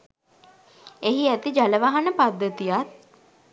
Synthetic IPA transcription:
eɦiæt̪id͡ʒaləʋaɦanəpad̪ːət̪ijat̪̚

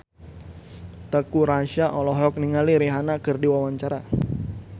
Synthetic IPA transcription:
t̪əkuɾaʃaʔɔlɔɦɔk̚niŋaliɾiɦanakərdiwawaɲt͡ʃaɾa

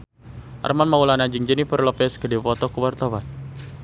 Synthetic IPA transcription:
ʔa̰rmanmaulanad͡ʒɨŋd͡ʒənipərlɔpɛskədipɔt̪ɔkuwart̪awan

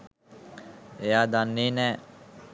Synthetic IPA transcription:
ejad̪anːiːnɛ

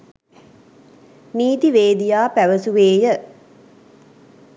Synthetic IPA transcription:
niːt̪iʋeːd̪ijaːpæʋəsuʋeːjə

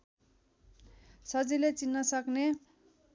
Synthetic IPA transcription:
sʌd͡zilet͡sinːʌsʌkne

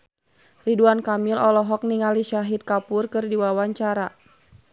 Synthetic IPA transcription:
riduankamilɔlɔɦɔk̚niŋaliʃaɦit̪̚kapurkɨrdiwawaɲt͡ʃaɾa

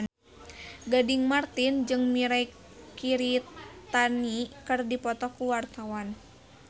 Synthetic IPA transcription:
ɡadiŋmart̪ind͡ʒɨŋmiɾaj | kiɾit̪anikɨrdipɔt̪ɔkuwart̪awan

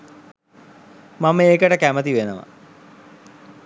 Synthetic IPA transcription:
maməeːkəʈəkæmət̪iʋenəʋə̰

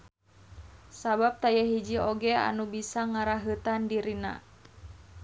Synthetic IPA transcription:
sabap̚t̪ajaɦid͡ʒioɡɛa̰nubisaŋaɾaɦət̪andiɾina̰

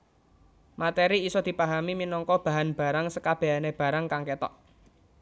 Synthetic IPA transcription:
mat̪eɾiːsɔd̪̥i̤paɦamiminɔŋkɔb̥a̤ɦanb̥a̤ɾaŋsəkab̥eɦaneb̥a̤ɾaŋkaŋket̪ɔ̰ʔ

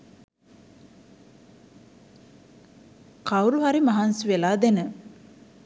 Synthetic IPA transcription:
kawɾuɦaɾimaɦansuʋelaːd̪enə

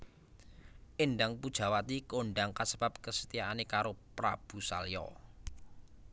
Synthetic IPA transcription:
ʔeɳɖaŋpud̥ʒ̥a̤wat̪ikoɳɖaŋkasəbap̚kəsət̪ijaʔanekaɾopɾa̰b̥ṳsa̰ljɔ̰

